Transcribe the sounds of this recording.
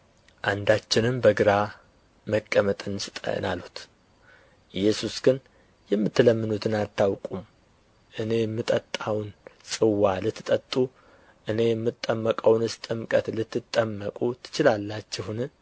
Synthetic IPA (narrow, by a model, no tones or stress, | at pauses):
ʔand̪at͡ʃːɪnɨmbəɡɨɾa | məkʼːəmət̪ʼɨnsɨt̪ʼə̰nalhu̥t̪ | ʔɨjːɛsusɡɨn | jɛmːɨt̪ːɨləmːɨnut̪ʰɨnat̪ʰːawkʼum | ʔɨne̞jɛmːɨt̪ʼət̪ʼːawnsʼɨwːalɨt̪ʰːɨt̪ʼət̪ʼːu | ʔɨne̞jɛmːɨt̪ʼːəmːəkʼəwnɨst̪ʼɨmkʼət̪lɨt̪ːɨt̪ʼːəmːəkʼut̪ʰɨ̥t͡ʃɪlalːat͡ʃːɪhun